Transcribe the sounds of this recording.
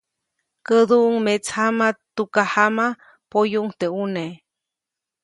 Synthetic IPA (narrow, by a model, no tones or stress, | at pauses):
kəd̪uʔŋmet͡shamat̪ukahama | pojuŋt̪eune